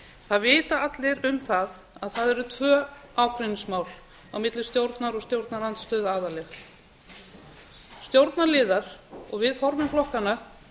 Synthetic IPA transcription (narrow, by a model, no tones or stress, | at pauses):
θaðvɪːt̪aat̪lɪɾʏmθaðaðθaðɛɾʏt̪ʰvœːawkɾɪnismaːwl | awmɪt̪lɪst̪jowɾt̪naɾɔɣst̪jowɾt̪naɾant̪st̪œːðaːðalɛx | st̪jowɾt̪naɾlɪːðaɾ̥ɔɣvɪðfɔɾmɪmflɔhkana